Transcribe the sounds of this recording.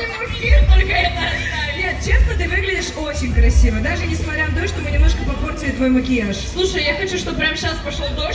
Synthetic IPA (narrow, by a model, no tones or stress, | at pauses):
mɐkʲit̪olʲkəɛt̪ə | nʲe̞t̪̚t͡ɕe̞snət̪ɨvɨɡlʲɪdʲɪʂo̞t͡ɕɪnʲkɾɐsʲivəd̪aʐɨnʲɪsmɐt̪ɾʲanɐd̪oɕt̪omɨnʲɪmno̞ʂkəpɐport̪səlʲɪt̪vo̞jməkʲɪaʂslˠuʂəjjaxɐt͡ɕuʂt̪ob̚pɾʲamɕaspɐʂlˠod̪o